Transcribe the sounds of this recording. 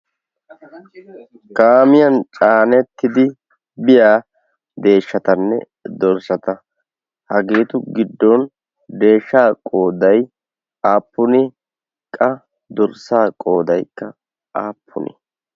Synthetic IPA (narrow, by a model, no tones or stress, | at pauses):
kaːmɪjɐnt͡ʃʼaːnɛt̪ːɪd̪ɪ | bɪjaː | d̪e̞ːʃːɐt̪ɐnːɛ̰ | d̪ɔɾsɐt̪ɐ | hɐɡeːt̪ʊɡɪd̪ːɔn | d̪e̞ːʃːaːkʼo̞ːd̪ɐj | aːpːʊnɪ | kʼɐ | d̪ɔɾsaːkʼo̞ːd̪ɐjkːɐ | aːpʰːʊ̰nɪ̰